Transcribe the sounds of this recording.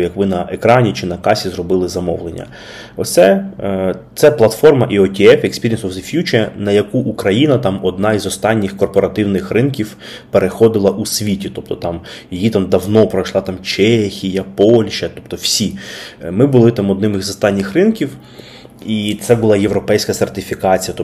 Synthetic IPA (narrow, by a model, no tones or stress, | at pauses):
jɐkʋɪnɐekɾɑnʲit͡ʃɪnɐkɑsʲizrɔbɪlˠɪzɐmɔ̰ʋlˠenʲːɐ̰ | ɔt̪sɛ | t̪sɛplˠɐt̪fɔrmɐʔiɔtʲiɛfekspʲiɾʲiɛnsɔfzɪfʲjut͡ʃɛnɐjɐkuʔukɾɐjinɐt̪ɑmɔd̪̚nɑizɔst̪ɑnʲːɪxkɔrpɔɾɐt̪ɪwnɪxrɪnkʲiw | peɾexɔd̪ɪlˠɐʔusʲʋʲitʲit̪ɔp̚t̪ɔt̪ɑm | jijit̪ɑmd̪ɐwnɔpɾɔjʃlˠɑt̪ɑmt͡ʃɛxʲijɐpɔlʲʃɐt̪ɔpt̪ɔw̥sʲimɪbʊlˠɪt̪ɑmɔd̪nɪmɪzɔst̪ɑnʲːɪxrɪnkʲiw | it̪sɛbʊlˠɑjeʋɾɔpɛjsʲkɐsert̪ɪfʲikɑt͡sʲijɐt̪ɔ